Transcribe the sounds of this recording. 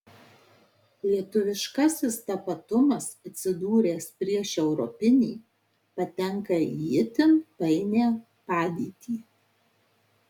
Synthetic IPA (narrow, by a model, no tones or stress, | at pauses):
lʲiɛt̪ʊʋʲɪʃkɐsʲɪst̪ɐpɐt̪ʊmɐsɐt̪ʲsʲɪd̪uːɾʲeːspʲɾʲiɛʃɛʊɾɔpʲɪnʲiː | pɐt̪ʲɛŋˑkɐijɪt̪ʲɪmpɐɪnʲeː | pɑːd̪ʲiːt̪ʲiː